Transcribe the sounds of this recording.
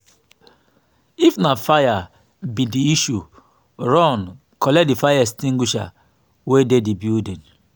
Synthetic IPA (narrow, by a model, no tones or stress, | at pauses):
ifnafaja | bidiiʃu | ɹɔn | kɔlɛk̚difajastĩŋɡuʃa̰ | wededibidĩn